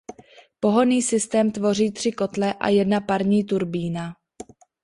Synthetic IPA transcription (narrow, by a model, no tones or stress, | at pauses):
po̞ɦo̞niːsɪst̪ɛːmt̪vo̞r̝iːt̪r̥ɪko̞t̪lɛʔa̰jɛdnapaɾɲiːt̪uɾbiːna